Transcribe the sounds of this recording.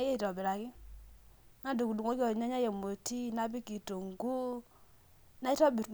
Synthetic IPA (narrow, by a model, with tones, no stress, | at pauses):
je˦˨tɔ˨bi˨ɾa˨ki˦ | na˦du˨ku˨du˨ŋɔ˦kɔ˨ɲa˦ɲa˦je˨mo˨ti˦na˦bi˦ki˨to˨ŋɡu˦ | na˦tɔ˦bi˨